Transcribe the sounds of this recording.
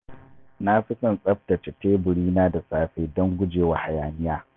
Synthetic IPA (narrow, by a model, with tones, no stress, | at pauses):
na˦ɸɪ˦sɐ˨nsʼɐ˦ɸ̚ta˨t͡ʃe˨teː˦bʊ˨ɽiː˦naː˦da˨saː˨ɸeː˦dɔ˦ŋɡʷʊ˦d͡ʒeː˨wa˨ha˨jaː˨nɪ˦jaː˦